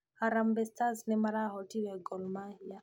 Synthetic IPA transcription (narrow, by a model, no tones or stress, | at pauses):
haɾambɛstaznɛmaɾaɦɔtiwɛɡɔlmahija